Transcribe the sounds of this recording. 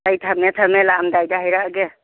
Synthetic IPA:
ajt̪ʰamɛt̪ʰəmelamdajd̪aɦəjɾaʔɡe

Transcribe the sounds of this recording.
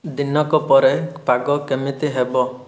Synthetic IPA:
d̪inɔkɔpɔɾepaɡɔkemit̪iɦebɔ

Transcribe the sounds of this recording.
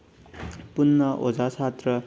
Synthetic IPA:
punːʌʔod͡zat͡sʰat̪rʌ

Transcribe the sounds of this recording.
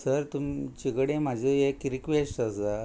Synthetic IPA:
səɾt̪umt͡ɕikɽẽm̤ad͡ʑʱoekːɾikʋesʈəsa

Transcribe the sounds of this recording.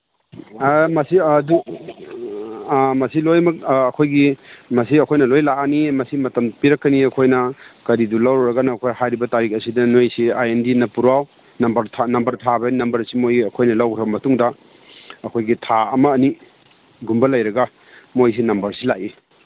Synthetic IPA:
mɐsidu | mɐsilojmɐk̚ɐkʰojɡimɐsiɐkʰojnɐlojlaanimɐsimɐtɐmpiɾɐkːɐniɐkʰojnɐkɐɾidulɐwɾɾɐɡɐnɐːkʰojhajɾibɐtaɾik̚ɐsidɐnojsiajendinɐpuɾaw | nɐmbɐɾtʰanɐmbɐɾtʰabɐnɐmbɐɾsimojɐkʰojnɐlɐwkʰɾɐbɐmɐtuŋdɐ | ɐkʰojɡitʰaɐmɐːni | ɡumbɐlɐjɾɐɡɐ | mojs̬inɐmbɐɾsilaʔi

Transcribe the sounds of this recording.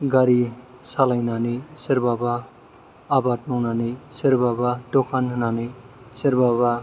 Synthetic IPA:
ɡaɾi | salajnaniseɾbabaː | bad̪̚mawnaniseɾbabad̪okʰanɦnani | seɾbaβa

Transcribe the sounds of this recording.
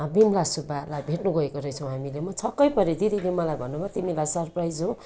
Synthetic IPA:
bimlasubalajbʱeʈnuɡʌekoɾʌjt͡sʰʌw̃ɦamilemʌt͡sʰʌkːʌjpʌɾed̪id̪ʱilemʌlajbʱʌnːubʱat̪imilajsʌrprajd͡zɦo

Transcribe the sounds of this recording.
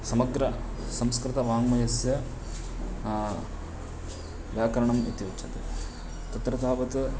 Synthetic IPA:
sɐmɐɡɾɐ | sɐmskɾɪt̪ɐʋaːŋmɐjɐsjɐ | ʋjaːkɐɾɐɳɐmḭt̪ijot͡ʃʰɐt̪ḛ | t̪ɐt̪ɾɐd̪ʱaːʋɐt̪

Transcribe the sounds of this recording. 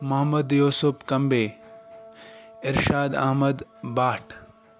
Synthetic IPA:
mɐɦmɐd̪joːsʊpkɐmbeː | ɪɾʃaːd̪ɐ̰ɦmɐd̪baːʈʰ

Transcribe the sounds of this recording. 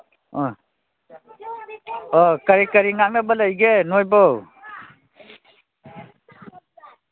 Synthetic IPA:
ɔkəɾikəɾiŋaŋnabələjɡenojbɔw

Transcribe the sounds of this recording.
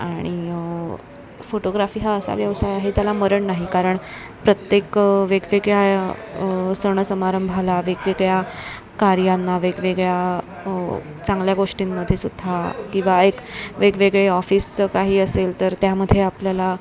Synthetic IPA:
a̰ɽ̃i | foʈoɡɾafiːɦaəsa̰ʋjəʋsajaɦed͡zalaməɾəɳnaɦikaɾəɳ | pɾət̪jekʋeɡʋeɡɭja | səɳ̃əsəmaɾəmbʱalaʋeɡʋeɡɭja | kaɾjanːaʋeɡʋeɡɭja | t͡sãŋɡljaɡoʂʈiːmːəd̪ʱːjesud̪ʱakĩw̃ʋaekʋeɡʋeɡɭeɔfiːskaɦiːəselt̪əɾt̪jaməd̪ʱːjeapljala

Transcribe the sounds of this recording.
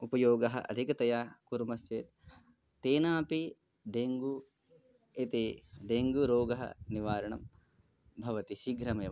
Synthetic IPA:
upɐjoːɡɐɦɐ̰ʔɐ̰d̪ʱikɐt̪ɐjaːkuɾmɐst͡ʃeːt̪ | t̪eːnaːpi | d̪eːŋɡu | it̪id̪eːŋɡuɾoːɡɐɦɐ̰niʋaːɾɐɳɐ̰m | bʱɐʋɐt̪iʃiɡɾɐmɐjɐ

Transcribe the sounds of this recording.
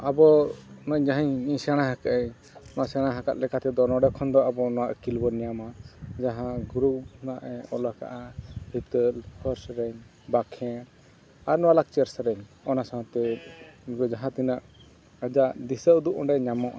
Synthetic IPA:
abɔnɔɲd͡ʒaɦiɲiɲsɛɽ̃aɦakaʔɛɲ | nɔwaʔsɛɽ̃ãɦaka̰t̪̚lɛkat̪ɛd̪ɔnɔɖɛkʰɔnd̪ɔabɔnɔwaʔkilbɔnijamad͡ʒaɦãɡɾupnaʔɛɔlaka̰ʔahit̪əlpʰəɾsɾɛɲ | bakʰɛ̃ | aɾnɔwalak̚t͡ʃɛɾsɾɛɲ | ɔnasaãt̪ɛ | ɡɔd͡ʒaɦãt̪inaʔ | əd͡ʒaʔd̪isəʔd̪uʔɔ̃ɳɖɛɲamɔʔa

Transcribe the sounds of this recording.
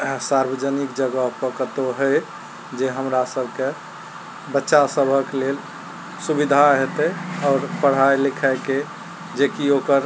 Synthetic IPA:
saɾbəd͡ʒənikd͡ʒəɡəɦpəkət̪oɦəj | d͡ʒeɦəmɾasəbʱke | bətːʃasəbʱəklel | subid̪ʱaɦet̪ɛɔːɾpəɽ̤ɦajlikʰəɪke | d͡ʒekiokəɾ

